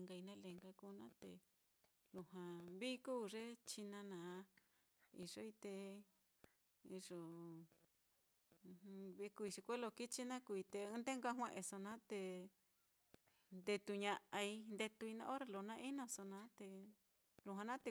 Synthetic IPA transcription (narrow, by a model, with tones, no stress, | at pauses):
ŋɡa˧i˧nã˦le˨ŋɡa˧kuː˦˧nã˦t̪ḛ˧ | lu˧hã˨βi˦kuː˦ʐe˦t͡ʃi˧nã˧nã˨˧ | ḭ˧ʐo˧i˧t̪e˧ | i˧ʐo˨˧ | βi˧ku˧i˧ʂi˧kʷe˦lo˧ki˦t͡ʃi˦nã˦ku˧i˧t̪e˧ɨ̃˦d̪e˦ŋɡʷa˦ɦw̃ẽ˦˧ʔẽ˧so˧nã˦t̪e˧ | nd̪e˧t̪u˧ɲã˧ʔa˧i˧nd̪e˧t̪u˧i˧nã̰˧˦o˦ɾe˧lo˨˧nã˧˦ʔi˦nõ˧so˧nã˦t̪e˧ | lu˧ɦã˧nã˦t̪e˧˨